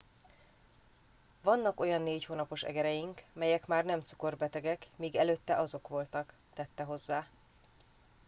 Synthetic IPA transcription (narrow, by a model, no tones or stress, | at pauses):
vɒnːɒko̞jɒnːeːchoːnɒpo̞ʃɛ̰ɡɛɾɛjiŋkmɛjɛkmaːrnɛmt̪su̥ko̞rbɛt̪ɛɡɛkmiːɡɛløːt̪ːɛʔɒzo̞kʋo̞lt̪ɒk | t̪ɛt̪ːɛɦo̞zːaː